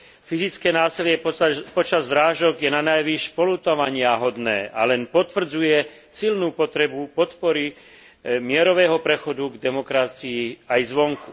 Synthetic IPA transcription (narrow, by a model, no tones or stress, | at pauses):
fizit͡skɛːnaːsilɪɛpɔt͡ʃazʋɾaːʒɔɡjɛnanajʋiʃpɔlut̪ɔʋaɲɪaɦɔd̪nɛ̰ːʔa̰lɛnpɔt̪ʋr̩d͡zujɛ | silnuːpɔt̪ɾɛbupɔt̪pɔɾi | mɪɛɾɔʋɛːɦɔpɾɛxɔd̪uɡd̪ɛmɔkɾat͡siiajzʋɔŋku